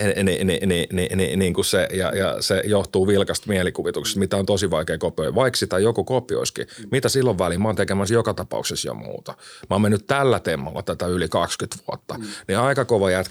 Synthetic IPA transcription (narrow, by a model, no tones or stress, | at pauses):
nḭnininḭnḭniːŋkussejɑ̰jɑ̰sejoht̪uːʋilkɑst̪miɛlikuʋit̪ukse̥st̪mit̪æont̪osiʋɑikeːkopioiʋɑiksit̪æjokukopio̰iskḭmit̪æsilːoʋʋælimɑːnt̪ekemæsjokɑt̪ɑpɑ̰ṵksesjo̰mṵːt̪ɑmɑːmenːytt̪ælːæt̪emːɑ̰lːɑ̰t̪æt̪æylikɑkskyt̪ʋuot̪ːɑniɑikɑkoʋɑjæt̪